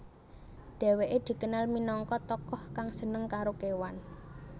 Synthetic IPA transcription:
ɖ̪̥ɛ̤weʔed̪̥i̤kənalminɔŋkɔt̪ɔkɔhkaŋsənəŋkaɾokewan

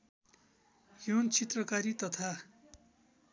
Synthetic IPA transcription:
jont͡sʰit̪rʌkaɾit̪ʌt̪ʰa

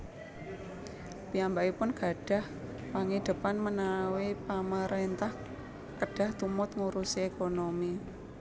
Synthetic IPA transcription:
piambaipʊnɡ̥a̤ɖ̥a̤h | paŋid̪̥ə̤panmənawipamaɾent̪ah | kəɖ̥a̤ht̪umʊt̪ŋuɾusiekonomi

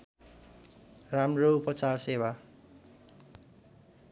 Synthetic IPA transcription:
ramroupʌt͡sarsewa

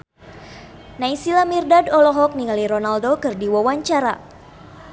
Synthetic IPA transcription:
naisilamirdadɔlɔɦɔk̚niŋaliɾɔnaldokɨrdiwawaɲt͡ʃaɾa

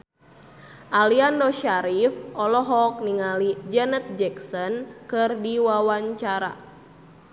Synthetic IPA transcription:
ʔaliandɔʃaɾifʔɔlɔɦɔk̚niŋalid͡ʒɛnɛt̪̚d͡ʒɛksɔnkɨrdiwawaɲt͡ʃaɾa̰

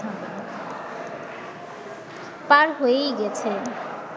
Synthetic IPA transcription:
a | paɾɦojejɡɛt͡ɕʰe

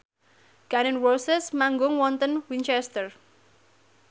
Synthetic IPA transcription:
ɡ̥anɪnwɔlsɛsmaŋɡʊŋwɔnt̪ənwint͡ʃɛst̪ər

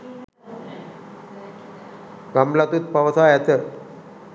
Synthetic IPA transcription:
ɡamlat̪ut̪̚paʋəsʰaːjat̪əɾ

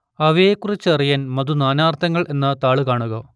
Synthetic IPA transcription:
ɐʋejekːurit͡ɕːɨɐrijaːnmɐðunaːnaːrt̪ʰːɐŋːɐɭe̞nːɐt̪aːɭukaːɳuɣɐ

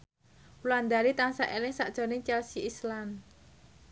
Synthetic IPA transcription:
wland̪aɾit̪aŋsaʔelɪŋsaʔd̥ʒ̥ɔ̤nɪŋt͡ʃɛlsiislan

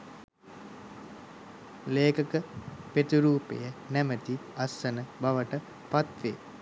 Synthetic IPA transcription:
leːkəkəpet̪uɾuːpḛjənæmət̪iɐsːənəbaʋəʈə | pat̪ʋeː

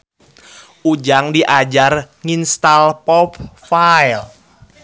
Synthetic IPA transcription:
ʔud͡ʒaŋdiʔad͡ʒar | ŋinst̪alpɔp̚faɛl

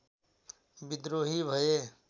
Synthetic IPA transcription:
bɪd̪ɾoːɦiːbʱəeː

